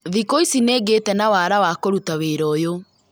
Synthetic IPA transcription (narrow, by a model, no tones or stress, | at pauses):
ðikoisineːɡetɛnawaːɾawakoɾutaweːɾɔjo